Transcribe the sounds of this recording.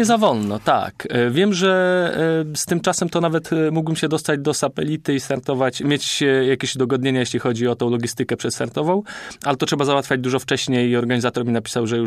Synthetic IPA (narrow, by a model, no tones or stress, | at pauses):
ɲɛzavɔlnɔt̪a̰kvʲjɛmʐɛ | st̪ɘmt͡ʂasɛmt̪ɔnavɛt̪muɡbɘmɕɛd̪ɔst̪ad͡ʑd̪ɔsat̪ɛlʲit̪ɘist̪aɾt̪ɔvat͡ɕmʲjet͡ɕjakʲeɕud̪ɔɡɔd̪̚ɲeɲajeɕʲlʲixɔd͡ʑiɔt̪ɔ̃w̃lɔɡʲist̪ɘkɛpʂɛt̪st̪aɾt̪ɔvɔ̃w̃ʔalɛt̪ɔtʂɛbazawat̪fʲjad͡ʑd̪uʐɔft͡ʂɛɕɲejiɔɾɡaɲizat̪ɔɾmʲinapʲi̥sawʐɛju